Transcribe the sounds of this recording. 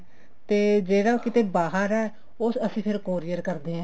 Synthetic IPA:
t̪eːd͡ʒeːɽaːkɪt̪eːbaːɦəɾɛː | osəsĩːpʰɪɾkoːɾijəɾkəɾd̪eːɛ̃ː

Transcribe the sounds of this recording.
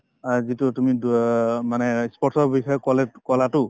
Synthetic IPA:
zitutumi | manɛspɔtʰɔɹbikʰajɔkɔlɛkɔlatʊ

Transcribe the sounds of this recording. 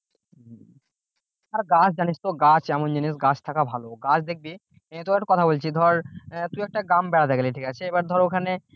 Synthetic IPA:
aɾɡat͡ɕʰd͡ʑanist̪oɡat͡ɕʰɛmond͡ʑinisɡat͡ɕʰt̪ʰakabʱaloɡat͡ɕʰd̪ek̚bi | t̪oeʈkɔt̪ʰabolt͡ɕʰid̪ʱɔɾt̪uɛk̚ʈaɡambɛɾat̪eɡeliʈʰikat͡ɕʰeebaɾd̪ʱɔɾokʰane

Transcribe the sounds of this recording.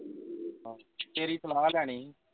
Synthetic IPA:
ɦt̪eːɾiːsəlaːlɛːɽ̃iː

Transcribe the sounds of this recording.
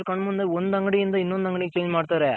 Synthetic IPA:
ɾkɐɳmʊnd̪ɯɔnːd̪ɐŋɡɐɽiɪnd̪ɐɪnːond̪ɐŋɡɐɳikːt͡ʃeːd͡ʒmaːɽɯt̪ːaːɾe

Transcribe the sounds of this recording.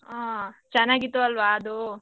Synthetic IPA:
aːt͡ʃɛnːaːɡit̪ːuɐlʋaːɐd̪u

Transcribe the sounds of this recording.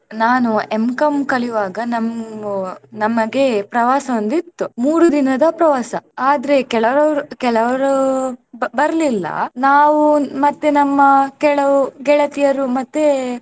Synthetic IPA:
naːnuemkɐmkɐɭiʋaːɡɐnɐmunɐmːɐɡe̞pɾɐʋaːsɐʋond̪it̪ːumuːɾud̪inɐd̪ɐpɾɐʋaːsɐaːd̪ɐɾe̞kɛɭɐɾɐɾukɛɭɐʋɐɾu | bɐɾlilːɐ̰naːʋumɐt̪ːenɐmːɐkɛɭɐʋuɡɛɭɐt̪ijɐɾumɐt̪ːe

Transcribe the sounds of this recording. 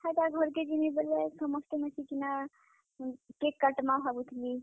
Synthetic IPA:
hat̪aɡʱɔɾked͡ʒinebelesəməsʈ̪emesikina | kekːəʈmabʱabut̪ʰli

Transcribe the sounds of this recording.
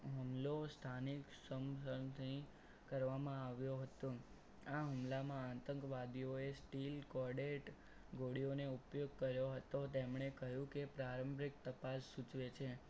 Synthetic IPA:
ɦəmlost̪ʰaniksəmsət̪ʰĩ | kəɾʋamãaʋjoɦət̪õ | aɦumlamããt̪əŋkʋad̪ioesʈilkɔɖeʈ | ɡʱoɽioneupjoɡ̚kəɾjoɦət̪ot̪emɳ̃ekəɦjũkepɾaɾəmbɾik̚t̪əpasːut͡ʃʋet͡ʃʰe

